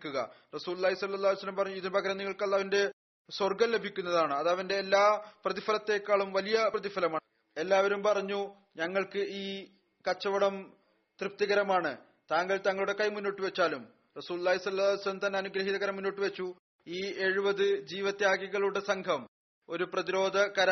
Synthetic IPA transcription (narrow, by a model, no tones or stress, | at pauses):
kʲːuɣɐ̰rɐsuːlulːaːɦisɐlːɐlːaːlsɐlːɐmpɐrɐɲːuiðinpɐɡɐɾɐniŋːɐɭkɐɭːɐʋɐnde̞ | swɐrɡɐmle̞bʱikʲːunːɐðaːɳɨɐðɐʋɐnde̞ːlːaːprɐðifɐlɐt̪ːe̞kːaːɭumʋɐlijɐprɐðifɐlɐmaː | e̞lːaːʋɐɾumpɐrɐɲːu | ɲɐŋːɐɭkɨʔiː | kɐt͡ɕːɐʋɐɽɐm | t̪rɨp̚t̪ɐɣɐɾɐmaːɳɨ | t̪aːŋɡɐlt̪ɐŋːɐɭuɽe̞kɐjmunːoːʈːɨʋet͡ɕːaːlum | rɐsuːlulːaːɦisɐlːɐaːsɐlɐmt̪ɐnːe̞ɐnuɡɾɐɦiðɐɣɐɾɐmːunːo̞ːʈːɨʋet͡ɕːu | iːe̞ɻubɐðɨd͡ʑiːʋɐt̪ːejaːɡiɣɐɭuɽesɐŋkʰɐm | o̞ɾuprɐðiɾo̞ːd̪ʱɐkɐɾa